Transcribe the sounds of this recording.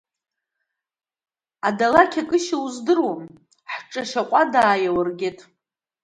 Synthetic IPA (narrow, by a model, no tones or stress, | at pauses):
adalakʲʰakʼɨʃawzdɨrwam | ħʈ͡ʂʼaʃaqʷʼadaːjawarɡʲetʼ